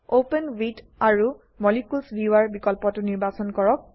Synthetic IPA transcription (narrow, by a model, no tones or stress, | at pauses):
openwit | aɹu | mɔlikulsbiwaɹbikɔlpɔtʊniɹbasɔnkɔɹɔk̚